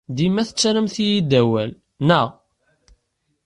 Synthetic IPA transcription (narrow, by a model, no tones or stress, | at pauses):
d̪imæθət͡sːɾəmθijid̪æwæl | nə